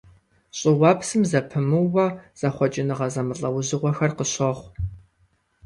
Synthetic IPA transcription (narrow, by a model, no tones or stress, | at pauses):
ɕʼɪwɑːpsɨmzɐpʰɨmɨwɐz̥ɐχʷɔt͡ʃʼɪnɨʁɐzɐmɨɬʼɐwzɨʁʷɔxɐrqəɕɐʁʷ